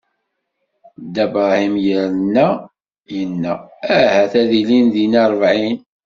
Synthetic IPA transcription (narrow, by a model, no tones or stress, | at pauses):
d̪ːæbɾˤɑhimjəɾənːæ | jənːææhæθæðilinðinɑɾˤəvʕin